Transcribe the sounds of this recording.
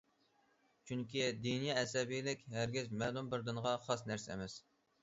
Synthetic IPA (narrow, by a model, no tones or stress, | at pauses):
t͡ʃʰyŋkʲid̪inijɑɛsɛbijlɪkʲhæɾɡʲizmɛlˠumbɪɾd̪ɨɴʁɑχɑsnæɾsɛɛ̰mɛs